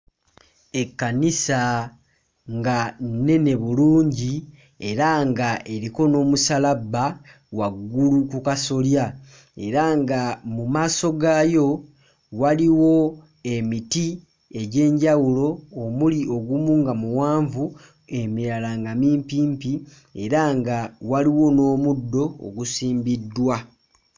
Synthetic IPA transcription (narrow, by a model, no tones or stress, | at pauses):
e̞kːanisa | ŋɡane̞ne̞βuluːɲɟi | e̞ɾaŋɡaʔe̞ɾiko̞no̞ːmusalaba | waɡːulukukaso̞lja | e̞ɾaŋɡamumaːso̞ɡajo̞ | waliwo̞ | e̞miti | e̞ɟe̞ːɲɟawulo̞ːmulio̞ɡumuŋɡamuwaːɱvu | e̞miɾalaŋɡamiːmpiːmpi | e̞ɾaŋɡawaliwo̞no̞ːmudːo̞̰ːɡusiːmbidːwa